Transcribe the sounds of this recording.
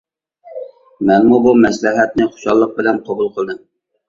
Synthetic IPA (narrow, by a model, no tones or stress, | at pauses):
mɛnmubumɛslɪɦɛt̪̚nɪχʊ̥ʃɑ̰lˠːəq̚bɪlɛnqʰɑbulˠqʰəlˠd̪ɨm